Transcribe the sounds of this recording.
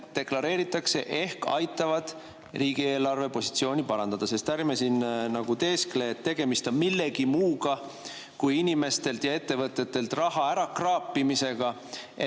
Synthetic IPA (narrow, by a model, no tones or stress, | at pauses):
t̪e̞klɑɾe̞ːɾit̪ːˑɑkse̞̰ʔe̞hkɑ̰jt̪ːˑɑvɑd̪̥ | riːɡ̥ie̞ːlɑrve̞po̞si̥t̪sio̞ːnʲipɑɾɑnd̪̥ɑd̪̥ɑse̞st̪ærmesinnɑɡ̥ut̪e̞ːskle̞ːt̪ːe̞ɡ̥e̞mist̪o̞nmilːe̞ɡ̥imuːɡɑ | kujinʲime̞st̪e̞lt̪jɑe̞t̪ːe̞vɤt̪ːˑe̞t̪ːe̞lt̪rɑɦɑæɾɑkrɑːpːimise̞ɡ̥ɑ